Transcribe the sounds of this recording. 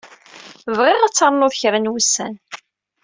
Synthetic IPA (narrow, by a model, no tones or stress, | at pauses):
vʁɪʁat͡sːɑɾˤnʊðçɾənwusːæn